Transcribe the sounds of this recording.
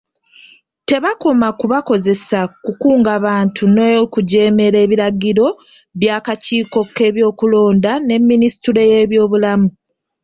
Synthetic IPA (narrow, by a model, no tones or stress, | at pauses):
te̞βakomakuβako̞ze̞sakukuːŋɡaβaːntʰunojokuɟe̞ːme̞ɾe̞ːβiɾaɡiɾo̞ | βjaːkaciːko̞ke̞ːβjo̞ːkulo̞ːndane̞mːinisi̥tuɾe̞je̞ːβjo̞ːβulamu